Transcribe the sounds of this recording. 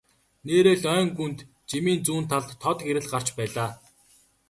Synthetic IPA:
neːɾeːɮœːŋɡunt̪ | t͡ɕimiːnt͡suːnt̪ʰːaɮt̪ʰɔt̪ɡeɾɘ̆ɮɢar̥t͡ɕpæːɮaː

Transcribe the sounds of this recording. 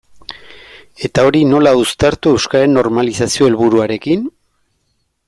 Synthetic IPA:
e̞t̪ao̞ɾino̞laust̪aɾt̪ue̞wskaɾe̞nːo̞ɾmalisasio̞e̞lβuɾuaɾe̞kin

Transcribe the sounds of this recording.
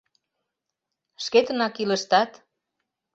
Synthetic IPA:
ʃket̪ənɑkiləʃt̪ɑt̪

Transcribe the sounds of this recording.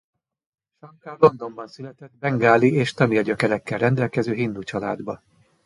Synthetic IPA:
ʃɒŋkalo̞nd̪o̞mbɒnsylɛt̪ɛt̪bɛŋɡaːlieːʃt̪ɒmiɒɟøkɛɾɛkːɛlrɛnd̪ɛlkɛzøːɦind̪ut͡ʃɒla̰ːd̪bɒ

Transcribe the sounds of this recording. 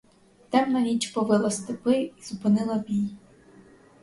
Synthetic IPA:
t̪ɛmnɐɾʲit͡ʃpɔʋɪlˠɐst̪ɪpɪizʊpɪnɪlˠɐbʲij

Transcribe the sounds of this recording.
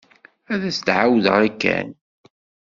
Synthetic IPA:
æðæst̪ʕawðʁəɾækːæ̰n

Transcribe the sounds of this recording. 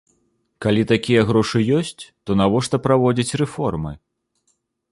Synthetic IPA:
kalʲit̪akʲijɐɣɾɔʂɨjɔsʲt͡sʲt̪ɔnavɔʂt̪ɐpɾavɔd͡zʲɐt͡sʲrɛfɔrmɨ

